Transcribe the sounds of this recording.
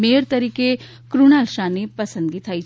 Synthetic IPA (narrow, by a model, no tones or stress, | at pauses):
meːɾt̪ɐɾiːke | kɾuñaːlʃaːnepɐsə̃nd̪ɡit̪ʰaːi